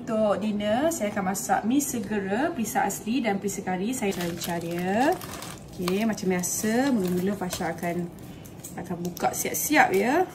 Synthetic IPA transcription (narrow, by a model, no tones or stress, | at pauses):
ut̪ʊkdinəsajaakanmasa̰ʔmĩsːəɡəɾapəɾisaʔaslidanpɾisakaɾisajət͡ʃaɾant͡ʃaɾiə | okʰemat͡ʃamjasəməɡəmuləhpaʃaːkan | akanbukaʔsia̰ʔsiap̚jə